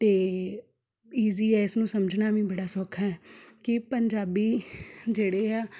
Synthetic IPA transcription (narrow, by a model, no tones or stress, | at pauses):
t̪eː | iːziːɛːɪsnũːsəməd͡ʒnaːʋĩːbəɽaːsɔːkʰːaːɛːkɪpəɲd͡ʒaːbiːd͡ʒeːɽeːɦaː